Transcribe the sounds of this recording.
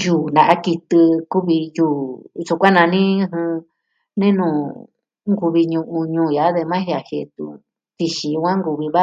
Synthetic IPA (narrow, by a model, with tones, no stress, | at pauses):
juː˨nã˨ʔa˦ki˧t̪ɨ˧ku˦βi˧juː˧˨ʐu˧kʷã˦nã˧nĩ˦˧ɦɨ̃˧ | nẽ˦nũ˨ | ŋɡu˧βi˧ɲũ˧ʔũ˧ɲũː˧˨ja˨˦ðe˧mã˦hi˧a˧he˧˨˧t̪ṵ˧ | t̪i˧ʃĩ˧jũ˧kʷã˦ŋɡu˧βi˧βa˦